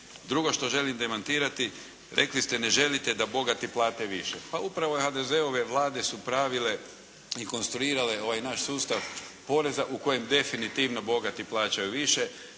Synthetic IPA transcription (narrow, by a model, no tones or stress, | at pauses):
d̪ɾuɡo̞ʃt̪o̞ʒe̞limd̪e̞mant̪iːɾat̪i | ɾʔe̞klist̪ene̞ʒe̞lit̪e̞d̪abo̞ɡat̪iplˠaːt̪eʋiʃepaupɾaʋoxad̪e̞ze̞oʋe̞ʋlˠaːd̪e̞supɾaːʋile̞ | iko̞nst̪ɾuiːɾale̞o̞ʋajnaʃsuːst̪aʋpo̞ɾe̞zaʔuko̞jemd̪e̞finit̪iʋnobo̞ɡat̪iplˠaːt͡ɕajuʋiʃe̞